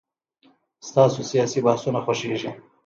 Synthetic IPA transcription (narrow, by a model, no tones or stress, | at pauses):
st̪ɑsosijɑsibahsunaxoʃeʒi